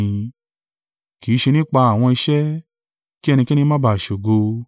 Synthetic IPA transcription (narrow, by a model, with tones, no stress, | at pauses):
ki˨˦ʃe˧nĩ˦k͡pa˧a˨w̃ɔ̃˧i˧ʃɛ˦ | ki˦ɛ˦˧ñĩ˧kɛ˦nĩ˧˦mã˦ba˨ʃo˨ɡo˧